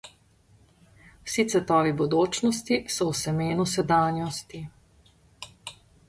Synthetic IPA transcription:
wsit̪sʋɛt̪ɔːʋibud̪oːt͡ʃnɔst̪isɔwsɛmeːnusɛd̪aːnjɔst̪i

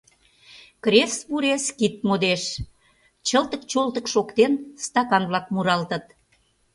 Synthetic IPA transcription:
kɾesβuɾeskit̪̚mod̪eʃ | t͡ɕəlt̪əkt͡ɕolt̪əkʃokt̪enst̪ɑkɑnβlɑk̚muɾɑlt̪ə̆t̪

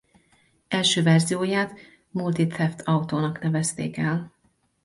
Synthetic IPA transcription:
ɛlʃøːvɛrzijoːjaːt̪ | mult̪it̪ɛft̪ʰɒut̪oːnɒknɛvɛst̪ḛːkɛl

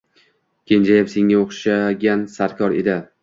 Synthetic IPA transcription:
kʲʰend͡ʒajapseŋːaoχʃaɡʲansaɾkʲʰɒɾe̞̰d̪ɪ

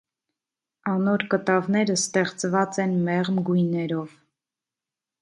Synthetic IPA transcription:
ɑnɔɾkət̪ɑvnɛɾəst̪ɛχt͡svɑt͡sɛnmɛʁmɡujnɛɾɔv

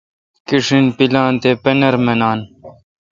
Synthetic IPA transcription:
kiʂinpilaːnt̪eːpenɐɾmɐnaːn

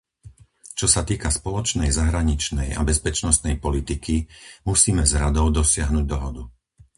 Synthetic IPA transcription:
t͡ʃɔsat̪iːkaspɔlɔt͡ʃnɛjzaɦɾaɲit͡ʃnɛja̰bɛspɛt͡ʃnɔst̪nɛjpɔlit̪ikimusiːmɛzɾad̪ɔʊd̪ɔsɪaɦnuɟ̚d̪ɔɦɔd̪u

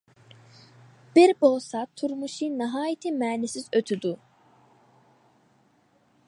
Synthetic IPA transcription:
b̥iɾbolˠsat̪ʰuɾmuʃiniɦaːjit̪ʰimɛːnisizøt̪ʰyd̪u

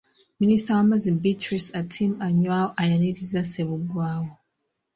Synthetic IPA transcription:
ministawamazimbitɹisatʰimaɲwawoʔajaniɾizaseβuɡwaːwo

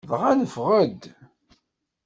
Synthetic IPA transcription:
ðʁænəfʁəd̪

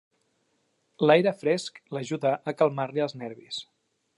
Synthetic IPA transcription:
lajɾəfɾɛskləʒuðəʔːkəlˠmaɾliəlˠznɛɾβis

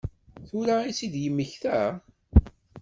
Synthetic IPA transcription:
θuɾaisid̪jəmːəçθæ

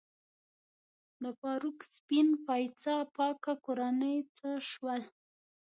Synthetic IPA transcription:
d̪əpɑɾukspinpɑjt͡sapɑkakoɾanəjt͡səʃwəl

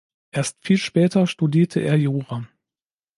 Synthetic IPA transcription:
ʔeːɐstfiːlʃpɛːtɐʃtudiːɐtʰəʔḛːɐjoːʁaː

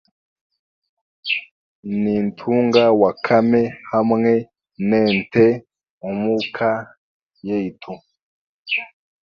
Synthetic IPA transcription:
niːntʰuːŋɡawakʰamehamŋe | neːnte | umukʰa | jeitʰu

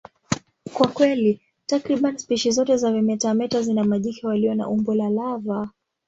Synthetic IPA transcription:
kwakwɛli | takɾiɓanispiʃizɔtɛzavɛmɛtamɛtazinamaʄikɛwaliɔna̰ʔumbɔlalava

